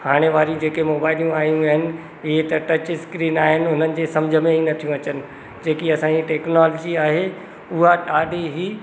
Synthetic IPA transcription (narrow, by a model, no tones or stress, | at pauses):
haːɽ̃eʋaːɾijũd͡ʑeːkemoːbaːɪlijũaːɦjũaːɦɪnɪ̆ | ɪɦet̪ɐʈɐt͡ɕɪskɾiːnaːɦɪnɪ̆ɦʊnənɪ̆d͡ʑeːsɐmd͡ʑʱə̆mẽinɐt̪ʰijũɐt͡ɕənɪ̆ | d͡ʑeːkiɐsãːɲd͡ʑiʈɛːknaːloːd͡ʑiaːɦe | ʊɦaʈaːɖiɦiː